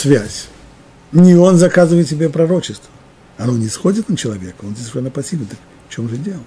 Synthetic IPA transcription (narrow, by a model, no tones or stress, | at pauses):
svʲæsʲ | nʲɪo̞nzɐkazɨvəjɪt̪sʲɪbʲepɾɐɾo̞t͡ɕɪst̪və | ɐno̞nʲɪsxo̞dʲɪt̪nət͡ɕɪlˠɐvʲe̞kəozʲesʲvʲɪʂɛnːəpɐsʲibʲɪnt̪ək | ft͡ɕo̞mʐɨdʲe̞lˠə